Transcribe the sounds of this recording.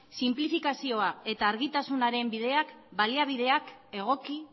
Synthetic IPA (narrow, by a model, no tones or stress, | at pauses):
simplifikasio̞ae̞t̪aːɾɣit̪asunaɾe̞mbið̞e̞akbaliaβ̞iðe̞ake̞ɣ̞o̞ki